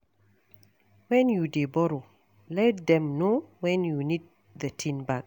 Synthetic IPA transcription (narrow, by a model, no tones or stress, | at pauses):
wɛ̃njudebɔɾo | lɛt̚d̪ɛ̃mnowɛ̃njunid̚ | ðətʰĩnbak̚